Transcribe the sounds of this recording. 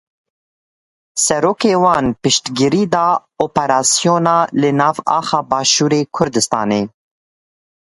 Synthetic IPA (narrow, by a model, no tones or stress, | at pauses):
sɛɾoːkeːwɑːnpɨʃt̪ɡɪɾiːd̪ɑː | oːpɛɾɑːsijoːnɑːlɨnɑːvɑ̰ːxɑːbɑːʃuːɾeːkʰʊɾd̪ɨst̪ɑːneː